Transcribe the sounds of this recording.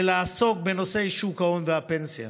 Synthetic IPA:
laːsok̚benosejʃukaond̪apent͡sia̰

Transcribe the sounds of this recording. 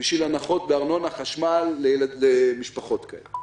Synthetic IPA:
biʃvilanaχo̞t̪beaʁno̞naχaʃmalːejeladlemiʃpaχo̞t̪kaele

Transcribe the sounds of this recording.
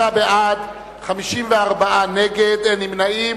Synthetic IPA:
abead̪ | χamiʃimveaʁbaʔaneɡed̪enimnaim

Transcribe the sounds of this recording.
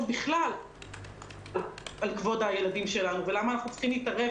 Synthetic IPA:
biχlal | alkvo̞daje̞ladimʃe̞lanuve̞lamaːnaχnut͡sχimliːtaʁe

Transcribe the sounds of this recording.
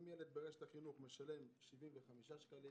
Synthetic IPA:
mjeled̪beʁeʃet̪aχinuχmeʃale̞mʃivimveχamiʃaʃkali

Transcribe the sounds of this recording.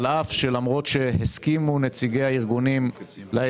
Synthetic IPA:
lafʃe̞lamʁo̞tʃe̞heskimunet͡siɡe̞jaiʁɡunim | la

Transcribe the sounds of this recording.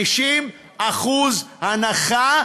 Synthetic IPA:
iʃim | aχuzhanaχa

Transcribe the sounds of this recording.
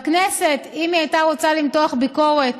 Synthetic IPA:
knese̞t̪imiajtaʁot͡salimtoaχbiko̞ʁet

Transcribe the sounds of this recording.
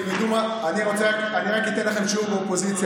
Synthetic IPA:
nid̪uma | aniʁo̞t͡se | aniʁakit̪enlaχe̞mʃuʁbeopo̞zit͡sj

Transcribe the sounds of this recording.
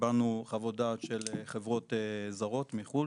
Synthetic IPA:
banuχavod̪aʃelχevʁo̞t̪ezaʁo̞t̪miχu

